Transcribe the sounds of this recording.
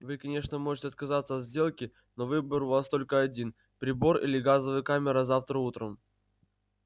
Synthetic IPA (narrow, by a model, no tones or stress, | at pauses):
vɨkɐnʲeʂnəmo̞ʐɨtʲɪɐt̪̚kɐzat̪səɐt̪zʲdʲe̞lˠkʲɪ | no̞vɨbəɾʊvast̪o̞lʲkəɐdʲin | pɾʲɪbo̞rḭlʲɪɡazəvɨjkamʲɪɾəzaft̪ɾəut̪ɾəm